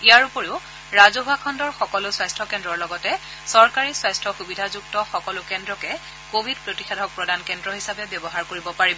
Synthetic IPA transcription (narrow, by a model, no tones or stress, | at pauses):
ijaɹupɔɹeʊ | ɹazɔbʱakʰɔndɔɹxɔkɔlʊswajstʰɹɔkɛndɹɔɹlɔɡɔtɛ | sɔɹkaɹiswajstʰɹɔxubidʱazuk̚tɔxɔkɔlʊkɛndɹɔkɛ | kobʱid̚pɹotixʰadʱɔk̚pɹɔdankɛndɹɔɦisapɛbjɔbɔɦaɹkoɹibɔpaɹibɔ